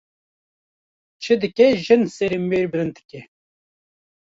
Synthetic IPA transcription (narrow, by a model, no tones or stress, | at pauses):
t͡ʃʰɨd̪ɨkʲɛʒɨnseɾimbeːɾbɨɾɨnd̪ɨ̥kʲɛ